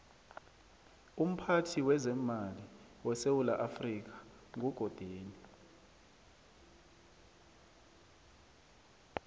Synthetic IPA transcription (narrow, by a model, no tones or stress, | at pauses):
um̩pʰatʰiwɛzɛmali | wɛsewulaʔafrik̬ḁ | ŋʱuɡ̥ʱɔd̥ʱeːni